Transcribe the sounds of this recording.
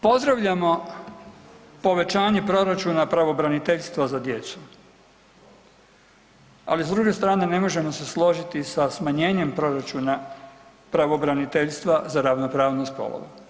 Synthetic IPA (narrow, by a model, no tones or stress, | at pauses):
po̞zd̪ɾaʋʎamo̞ | po̞ʋe̞t͡ʃaːɲe̞pɾo̞ɾat͡ʃuːnapɾaʋo̞bɾanit̪eʎst̪ʋazad̪jet̪su̥ | a̰lisd̪ɾuɡe̞st̪ɾaːne̞ne̞mo̞ʒe̞mo̞se̞slˠo̞ʒit̪isasmaɲe̞ːɲe̞mpɾo̞ɾat͡ʃuːna | pɾaʋo̞bɾanit̪eʎst̪ʋazaɾaʋnopɾaːʋnuspo̰lˠo̰ʋṵ